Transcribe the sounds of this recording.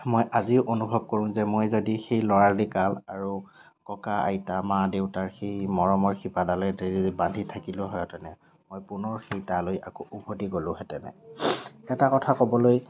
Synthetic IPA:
mojʔaziʊʔonubʱɔb̚koɹʊ̃zɛmojzodixejlɔɹaɹdikalaɹu | kɔkaa̰jtamadeʊtaɹxejmɔɹɔmɔɹxipadalɛeɹibandʱitʰakilʊɦɔjɔtɛnɛ | mojpʊnɔɹxejtaloja̰koʔubʰʱodiɡolʊ̃ɦɛtɛnɛ̰ | ɛtakɔtʰakɔbɔloj

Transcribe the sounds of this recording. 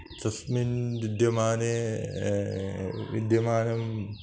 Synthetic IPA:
t̪ɐsminbid̪jɐmaːne | ʋḭd̪jɐmaːnɐm

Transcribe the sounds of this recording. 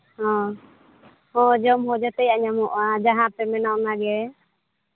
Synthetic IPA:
hɔ̃ | hɔ̃d͡ʒɔmɦɔd͡ʒat̪əjaɲamɔʔad͡ʒaɦãpɛmɛnaʔnaɡɛ

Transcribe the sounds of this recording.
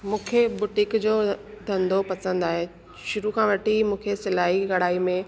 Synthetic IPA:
mũːkʰebʊʈɪkd͡ʑoːd̪ʱɐ̃nd̪ʱopɐsə̃nd̪aːɦe | ʃʊɾukʰãʋɐʈʰimũːkʰesɪlaːɦiɣɐɽaːimẽ

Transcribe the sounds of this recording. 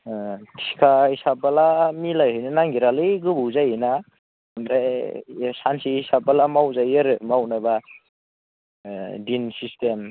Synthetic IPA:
tʰi̥kʰahisabalamilajɦɯjnanaŋɡiɾalɯjɡɯbɯwzajɯna | mɾe | sansihisab̚alamawzajɯɾɯmawnajba | dinsistem

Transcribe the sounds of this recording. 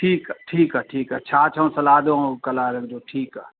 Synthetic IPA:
ʈʰiːkaʈʰiːkaʈʰiːkat͡ʃʰaːt͡ʃʰɐũsɐlaːd̪õkɐlaːɾɐ̃ŋd͡ʒoːʈʰiːka̰ː

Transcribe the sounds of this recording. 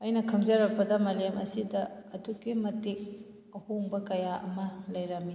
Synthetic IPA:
ɐjnɐkʰɐmd͡ʒɐɾɐk̚pɐdɐmɐlemʔɐsidɐɐduɡimɐtik̚ | ɐhoŋbɐkɐjaʔɐ̰mɐlɐjɾɐmi

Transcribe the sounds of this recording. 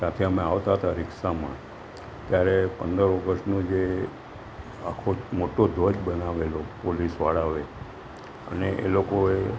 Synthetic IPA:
sat̪ʰeəmẽaʋt̪aɦət̪aɾɪksamã̰ | t̪jaɾepənd̪əɾɔɡəsʈnũd͡ʒe | akʰomoʈod̪ʱod͡ʒbənaʋelopolisʋa̰ɽaʋe | ə̰neʔḛlokoe

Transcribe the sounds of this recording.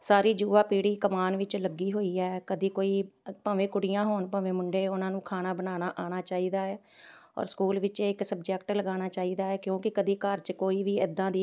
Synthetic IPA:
saːɾiːd͡ʒuːʋaːpiːɽiːkəmaːnʋɪt͡ʃləɡːiːɦoːiːɛːkəd̪iːkoːiːpə̃ːʋẽːkʊɽɪjãːɦoːnpə̃ːʋẽːmʊɳɖeːʊnãːnũːkʰaːnaːbənaːnaːʔaːɽ̃aːt͡ʃaːiːd̪aːɛː | ɔ̰ːɾskuːlʋɪt͡ʃɪksəb̚d͡ʒɛkʈləɡaːñaːt͡ʃaːiːd̪aːɛːkjõːkɪkəd̪iːkəɾt͡ʃkoːiːʋiːɪd̪ːãːd̪iː

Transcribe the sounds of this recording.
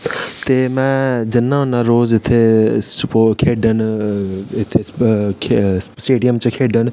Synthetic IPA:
t̪eːmɛ̃d͡ʒɐnːãɦʊnaɾoːzɪt̪ʰːepokʰeːɖʱən | ɪt̪ʰe | sʈeːɖijəmt͡ʃəkʰeːɖən

